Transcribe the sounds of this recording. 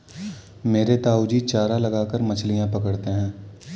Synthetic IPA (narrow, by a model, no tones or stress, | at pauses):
meːɾet̪aːud͡ʒit͡ʃaːɾalɐɡaːkəɾmɐt͡ʃʰlijãpɐkəɽt̪eɦɛ̃ː